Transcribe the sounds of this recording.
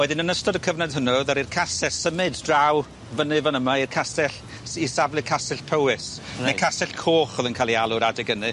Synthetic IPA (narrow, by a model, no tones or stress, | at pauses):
wɛdɪnənəstɔdəkʰəvnadhənɔðaɾirkʰasɛssəmɨddraw | vənɨvənəmairkʰasɛɬ | isavlɨkʰasɛɬpʰəwɪsnakʰasɛɬkʰoːχɔðənkʰaːlˠialˠʊɾadɪɡənɨ